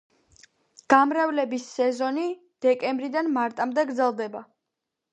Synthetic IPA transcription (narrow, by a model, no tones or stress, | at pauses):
ɡ̥amɾɛvlɛbisːɛzɔni | d̪̥ɛkʼɛmbɾid̪anmaɾt̪ʼamd̪ɛɡɾd̪zɛlˠd̪ɛba